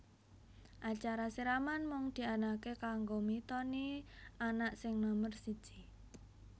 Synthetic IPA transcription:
ʔat͡ʃaɾasiɾamanmɔŋd̪̥i̤anakekaŋɡomit̪ɔnianaʔsɪŋnɔmərsid̥ʒ̥i

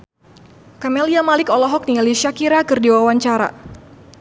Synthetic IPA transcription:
kamɛliamalɪkɔlɔɦɔk̚nialiʃakiɾakɨrdiwawaɲt͡ʃaɾa̰

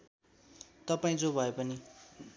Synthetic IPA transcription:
t̪ʌpaĩd͡zobʱʌepʌni

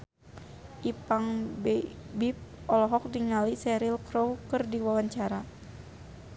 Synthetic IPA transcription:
ʔipaŋbɛbip̚ɔlɔɦɔk̚diŋalisɛɾilkɾowkɨrdiwawaɲt͡ʃaɾa

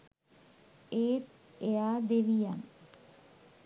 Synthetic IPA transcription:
eːt̪ | eaːd̪eʋijan

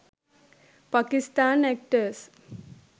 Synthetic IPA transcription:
pakist̪aːnɛk̚ʈəɾs

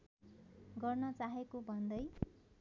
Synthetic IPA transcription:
ɡʌrnʌt͡saɦekobʱʌnd̪ʌj

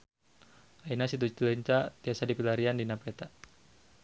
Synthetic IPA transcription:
ainasit̪̬ut͡ʃilɛɲt͡ʃat̪iasadipilaɾiandinapɾɛt̪a

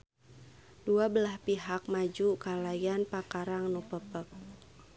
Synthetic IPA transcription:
duabəlahpiɦak̚mad͡ʒukalajanpakaɾaŋnupəpək̚

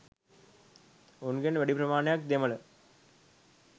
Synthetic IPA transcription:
unɡenʋæɖipɾɐmaːnejak̚d̪emələ

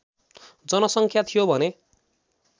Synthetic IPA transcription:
d͡zʌnʌsʌŋkʰjat̪ʰijobʱʌne

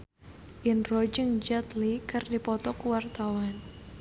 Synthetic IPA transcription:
ʔɪnrɔd͡ʒəŋd͡ʒat̪likɨrdipɔt̪ɔkuwart̪awan

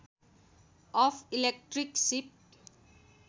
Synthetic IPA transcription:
ʔɔfilɛk̚ʈriksip̚

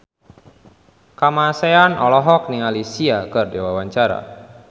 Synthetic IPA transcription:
kamaseanʔɔlɔɦɔk̚niŋalisiakɨrdewawaɲt͡ʃaɾa̰

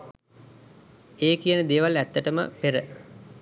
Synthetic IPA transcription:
eːkijənəd̪eːʋalæt̪ːəʈəmə̰peɾə

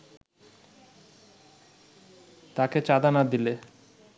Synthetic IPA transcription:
t̪aket͡ɕad̪anad̪ile

